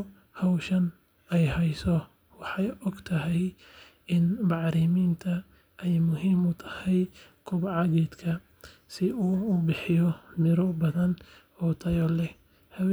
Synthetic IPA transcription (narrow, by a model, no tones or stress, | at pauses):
hɐwʃɐn | ɛjhɛjsɔ | wɑħɑjɔɡt̪ʰɐɦɛj | ɪnbɑʕɾɪmiːnt̪ʰɐ | ɛjmʊɦiːmʊt̪ʰɐ̥hɛj | kʰʊβʕɑɣɛːd̪kʰɐ | sɪuːʊbɪħɪjɔmɪɾɔbɐðɐn | ɔːt̪ʰɐjɔlɛ | hɐw